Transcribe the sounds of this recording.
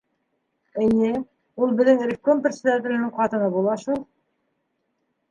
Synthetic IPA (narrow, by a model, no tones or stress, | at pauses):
ɘnɘ | ulˠbɘ̆ðɘŋɾʲɪkːomprʲsʲɪd̪at̪̬ʲɪ̆lʲɘ̆nɘɴqɑt̪ɤ̆nɤbulˠɑʃulˠ